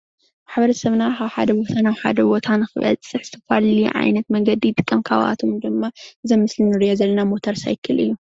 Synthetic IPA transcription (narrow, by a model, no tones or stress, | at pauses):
maħβɐɾɐsɐβnakaβħad̪ɐbot̪ʰanaβħa̰d̪ɐbo̞t̪ʰanɨxɨβɐ̰t͡sʼːɨħz̥ɨt̪ʰɐfa̰liʕa̰jnɐt̪mɐŋɡɐd̪it̪ʼɨkʼːɨmkʰa̰βa̰t̪ʰomd̪ɨmːaɨzɐmːɨslinɨɾijozɐlːɐnamo̞t̪ʰɐɾsa̰jkʰɨlʔɨ̰jːu